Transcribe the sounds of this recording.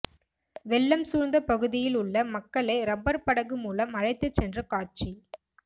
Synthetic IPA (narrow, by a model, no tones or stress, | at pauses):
ʋɛɭːɐmsuːɾnd̪ɐpɐɣɯðɪjɪlʊɭːɐmɐkːɐɭɐɪɾɐbɐɾpɐɽɐɣɯmuːlɐmɐɻɐɪt̪ːɯt͡ʃːɛndrɐkaːt͡ʃi